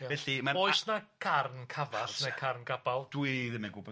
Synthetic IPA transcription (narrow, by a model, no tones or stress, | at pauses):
aɛɬimaoɨsnakʰarnkʰavaɬnekʰarnɡabalˠd̥wiðɪmɛɡʊbɔ